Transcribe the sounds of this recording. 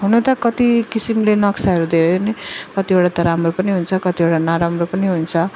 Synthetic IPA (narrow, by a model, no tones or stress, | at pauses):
ɦunot̪ʌkʌt̪ikisimlenʌksaɦʌɾud̪ʱeɾʌjnikʌt̪ieɽat̪ʌɾamropʌniɦunt͡sʰʌkʌt̪ioʈanaɾamropʌniɦunt͡sʰʌ